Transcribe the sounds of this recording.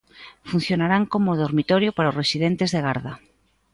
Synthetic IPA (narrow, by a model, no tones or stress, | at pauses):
fun̟θjonaɾaŋkomoðoɾmit̪ɔɾjʊpaɾaʊsresiðent̪ezðeɣaɾðɐ